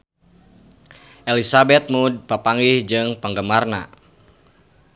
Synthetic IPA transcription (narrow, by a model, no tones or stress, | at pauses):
ʔelisabɛt̪̚mud̚pəpaŋɡihd͡ʒɨŋpəŋɡəmarna̰